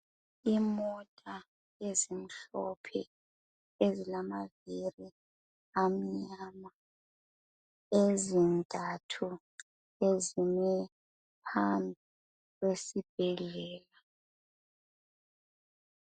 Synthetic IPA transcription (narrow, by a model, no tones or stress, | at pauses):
imɔtʼa | ezim̩ɬɔ̰pʰɛ̰ | ezilamaviri | am̩ɲaːma | ezintʼatʰu | ezinɛ | pʰambʱi | lesib̥̚ʱɛlɛːla